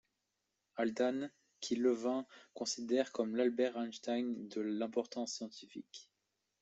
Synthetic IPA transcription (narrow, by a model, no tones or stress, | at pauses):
ald̪an | kʲʰiləvɛ̃kɔ̃sid̪ɛʁkɔmlalbɛʁɛ̃nʃt̪ajnd̪əlɛ̃pɔʁt̪ɑ̃sːjɑ̃t̪ifḭk